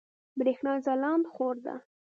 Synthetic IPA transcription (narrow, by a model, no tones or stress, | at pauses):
bɾexnɑzalɑnd̪xoɾd̪a̰